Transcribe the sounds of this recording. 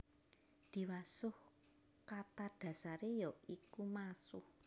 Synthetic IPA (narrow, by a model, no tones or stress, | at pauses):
d̪̥i̤wasʊh | kat̪ad̥a̤saɾejɔikumasʊh